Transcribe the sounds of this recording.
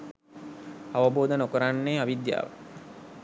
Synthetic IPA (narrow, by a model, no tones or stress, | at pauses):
aʋəboːd̪ənokəɾanːeːaʋid̪ja̰ːʋə̰